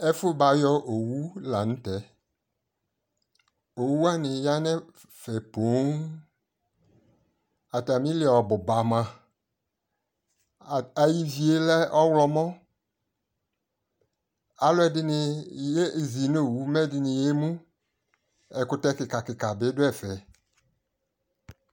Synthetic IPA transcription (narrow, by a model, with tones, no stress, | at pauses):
ɛ˦fʊ˦ba˨jɔ˦ʔo˨wu˦la˨ñ̩˦tɛ˦ | o˨wu˦a˦nɪ̃˨ja˦nɛ̃˦ | fɛ˨po˨˦ŋ | a˨ta˨mĩ˦lɪ˦˨ɔ˨bʊ˨ba˨mã˨ | a˨ji˦vi˦e˦lɛ˦ʔɔ˦wlɔ˨mɔ̃˦ | a˨lʊ˦ɛ˨dɪ˦nɪ˨je˦˨zi˨no˦˨wu˦mɛ˦dɪ˨nɪ̃˨je˦mũ˦ | ɛ˨kʊ˦tɛ˦kɪ˨ka˨kɪ˨ka˨bɪ˦dʊ˦ɛ˨fɛ˨